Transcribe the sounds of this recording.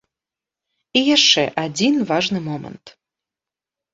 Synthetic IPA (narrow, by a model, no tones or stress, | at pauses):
ijaʂɛʔad͡zʲinvɑʐnɨmɔmə̰nt̪